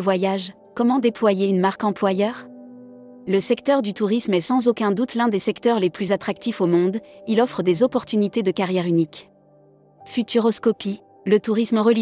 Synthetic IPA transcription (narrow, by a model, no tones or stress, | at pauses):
vwajaʒ | kɔmɑ̃d̪eplwajeynmaʁkɑ̃plwajœːʁ | ləsɛkt̪œʁd̪yt̪uʁismɛsɑ̃zokʲɛ̃d̪ut̪lɛ̃d̪esɛkt̪œʁleplyzat̪χak̚t̪ifomɔ̃d̪ilɔfχəd̪ezɔpɔʁt̪ynit̪ed̪əkaʁjɛʁynik | fyt̪yʁɔskɔpi | lət̪uʁisməʁəli